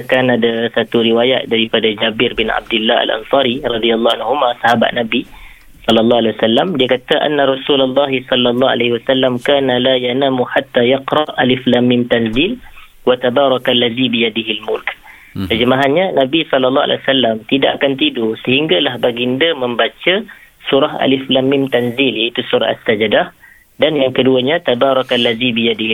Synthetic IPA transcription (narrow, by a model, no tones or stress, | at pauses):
kanadasat̪uɾiwajaʔ̪̚daɾipadad͡ʒabɪrbɪna̰b̚dɪlːaa̰lʔa̰nsɑɾirˤɑd̪ialːɑhanɦumasaɦaba̰ʔ̪̚nabi | sɔlːɑlːɑhwalewasalːamdiəkat̪əʔa̰nːaɾˤɑsulalːɑɦisɔlːalˤːɑa̰lahiwasalːamkaːnalajanaːmuħat̪ːajaqɾɑʔaliflamːɪnt̪anzɪl | wat̪abaːɾˤɑkalːaðibijadɪɦilmʊlk | k̪əd͡ʒəmaɦanɲanabisɔlːalːɑha̰l̰wasalːamt̪ida̰ʔakant̪idusəɦiŋɡalahbaɡindəməmbat͡ʃə | suɾaɦa̰liflamːɪmt̪anziljait̪usuɾa̰ha̰sːad͡ʒdah | danjaŋkəduəɲat̪abaɾˤɑkalːaðibijadi